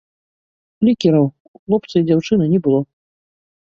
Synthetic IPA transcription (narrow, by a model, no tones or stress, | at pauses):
lʲikʲɛɾɐw | uxlˠɔp̚t̪sɨid͡zʲawt͡ʂɨnɐnʲɛbɨlˠɔ